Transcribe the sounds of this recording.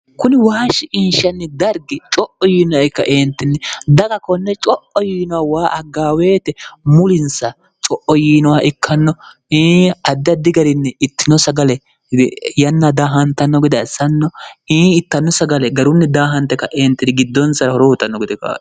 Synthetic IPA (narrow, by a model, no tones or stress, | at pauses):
kʊnɪwaːʃɪʔɪnʃɐnːɛd̪ɐɾɡɪt͡ʃʼɔʔɔjiːnɔɪkːɐ̰ʔeːnt̪ːɪnːɛd̪ɐɡɐkɔnːɛt͡ʃʼɔʔɔjiːnɔwawaːʔɐɡaːwe̞ːt̪ɛmʊlɪnsɐ | t͡ʃʼɔʔɔjiːnɔwaʔɪkʰːɐnːɔ | iːɐd̪ːɐd̪ɪɡɐɾɪnːɛɪt̪ːɪnɔsɐɡɐlɛ | jɐnːɐd̪aːɦɐnt̪ɐnːɔɡɪd̪ɛsɐnːɔiːɪt̪ːɐnːɔsɐɡɐlɛɡɐɾʊnːɛd̪aːɦɐnt̪ːɛkːɐʔeːnt̪ːɪd̪ɪɡɪd̪ːɔnsɐɾɐhɔɾɔhʊt̪ːɐnːɔɡɪd̪ɛkɐ̰